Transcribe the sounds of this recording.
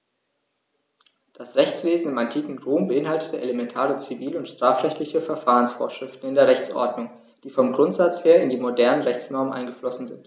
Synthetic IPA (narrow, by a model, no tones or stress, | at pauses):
d̥asʁɛçt͡sv̥eːzn̩ɪmantʰiːkŋ̩ʁoːmbəʔɪnhaltətəelemɛntʰaːʁət͡siviːləʊntʃtʁ̥aːfʁɛçtlɪçəfɛɐfaːʁənsfo̰ːɐʃʁ̥ɪftn̩ɪndeːɐʁɛçt͡sʔɔ̰ɐdnʊŋ | d̥iːfɔmɡʁʊntz̥at͡sheːɐɪndiːmodɛɐnənʁɛçt͡snɔɐmənʔa̰ɪnɡəflɔsn̩zɪ̰nt